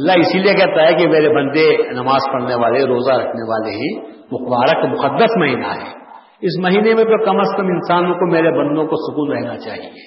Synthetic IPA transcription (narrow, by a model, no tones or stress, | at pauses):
ɐlːaɦɪsiliekɛɦt̪aɦɛkimeːɾebɐ̃nd̪enɐmaːzpɐɽneʋaːleɾoːzaɾɐkʰneʋaːleɦɛ̃ | mʊxbaːɾəkmʊqəd̪ːəsmɐɦiːna̰ɦɛ̰ː | ɪs̬mɐɦiːnemẽt̪okɐməskɐmɪnsaːnõkomeːɾebɐ̃nd̪õkosʊkuːnɾɛɦnat͡ʃa̰ːɦie